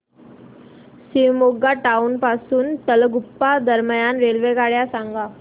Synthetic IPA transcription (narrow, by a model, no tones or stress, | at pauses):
siʋmoɡaʈaunpasuːnt̪əlɡupːad̪əɾməjanʋelʋekaɽjasaŋɡa